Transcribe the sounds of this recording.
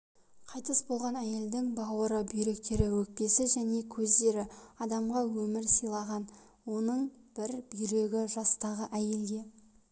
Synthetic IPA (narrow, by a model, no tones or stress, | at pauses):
qʰɑjt̪əsbo̞lˠʁɑnæje̞ld̪ɪŋbɑwəɾəbijɾe̞k̚t̪ʰe̞ɾɪwɵk̚pe̞sɪʒæne̞kʲʰɵzd̪e̞ɾɪɑd̪ɑmʁɑwɵmɪɾsijlˠɑʁɑn | wo̞nəɴb̥ɪɾbijɾe̞ɡʲɪʒɑst̪ɑʁəʔæje̞ld̪ʲe̞